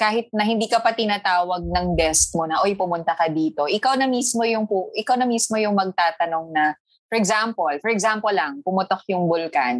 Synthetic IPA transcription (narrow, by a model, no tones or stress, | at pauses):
kaːɦɪt̪̚nɐɦɪnd̪iːkɐpɐt̪ɪnaːt̪aːwɐɡ̚nɐŋd̪ɛst̪̚monɐʔojpʊmʊnt̪ɐkɐd̪iːt̪o̞ʔɪkawnɐmiːsmo̞jʊŋpuʔɪkawnɐmiːsmo̞jʊŋmɐɡ̚t̪aːt̪ɐno̞ŋnɐ | fɔɹɛɡzampolfɔɹɛɡzampolːɐŋpʊmʊt̪ok̚jʊŋbʊlka̰n